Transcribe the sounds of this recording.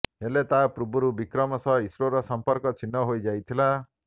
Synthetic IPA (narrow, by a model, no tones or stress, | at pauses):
ɦelet̪apɾubɔɾubikɾɔmɔsɔisɾoɾɔsɔmpɔɾkɔt͡ʃʰinːɔɦojd͡ʒajt̪ʰila